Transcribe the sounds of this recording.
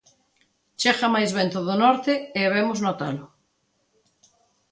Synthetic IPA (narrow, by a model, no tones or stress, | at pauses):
t͡ʃexamajzβɛnt̪oðonɔɾt̪ɪeaβemʊznot̪alʊ